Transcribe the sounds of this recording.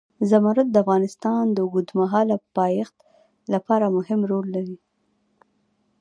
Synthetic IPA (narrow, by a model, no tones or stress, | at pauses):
zamɑɾat̪̚d̪əafɣɑnɪst̪ɑnd̪əɡud̪maɦɑlapɑjext̪ | lapɑɾamʊɦɪmɾolːaɾi